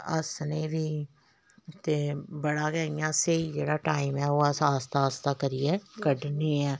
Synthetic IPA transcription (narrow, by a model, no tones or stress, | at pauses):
ə̰sneːbʱiː | t̪ebəɽaːɡɛːɪjãseid͡ʒeːɽaːʈaːimɛːoːəsaːst̪aːst̪aːkəɾiɛːkəɖneɛː